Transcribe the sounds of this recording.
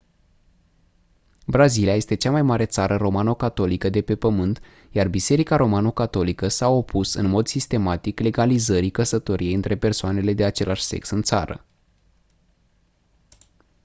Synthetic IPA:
bɾaziliaje̞st̪e̞t͡ʃamajmaɾe̞t̪saɾəro̞manokat̪o̞likəd̪e̞pe̞pəmɨnt̪ | jarbise̞ɾikaɾo̞manokat̪o̞likəsao̞pʰusɨ̰nmo̞d̪sist̪e̞mat̪ikle̞ɡalizəɾikəsət̪o̞ɾie̞jɨnt̪ɾe̞pe̞rsoane̞le̞d̪e̞at͡ʃe̞lʔaʃse̞̰ksɨnt̪sa̰ɾə̰

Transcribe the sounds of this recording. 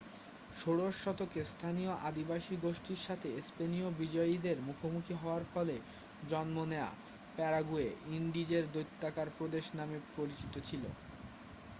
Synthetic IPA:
ʃoɽoʃːɔt̪okest̪ʰanijoʔad̪ibaʃiɡoʃʈiɾʃat̪ʰespenijobid͡ʑɔid̪eɾmukʰomukʰiɦɔoaɾfɔle | d͡ʑɔnmonea̰ | pɛɾaɡueiɳɖid͡ʑeɾd̪ojt̪ːakaɾpɾod̪eʃnamepɾoɾit͡ɕit̪ot͡ɕʰilo̰

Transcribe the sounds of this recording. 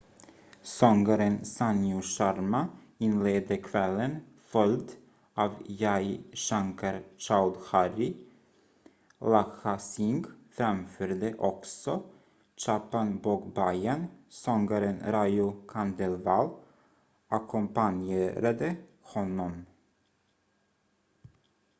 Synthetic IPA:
sɔŋɡaɾənsanjʊʂaɾma | ɪnleːd̪əkʰvɛlːən | fœld̪ | ʔɑːvjajʂaŋkʰaɾt͡ʃalhaɾɪ | laxasɪŋɡfɾamføːɾd̪əʔɔksɔ | t͡ʃaːpanboːkbajansɔŋɡaɾənɾajʊkʰand̪ɛlvɑːl | ʔakʰɔmpaneːɾad̪ə | hɔnːɔm

